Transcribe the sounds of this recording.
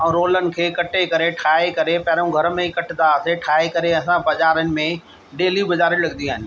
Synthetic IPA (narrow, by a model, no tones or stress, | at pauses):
ɛ̃ːɾoːlənɪ̆kʰeːkɐʈekɐɾeʈʰaːekɐɾepɐɦɾũɡʱɐɾmẽikɐʈɪd̪aɐseʈʰaːekɐɾeɐsãbɐzaːɾənɪ̆mẽ | ɖeːlibɐzaːɾilɐɡɪniaːɦɪnɪ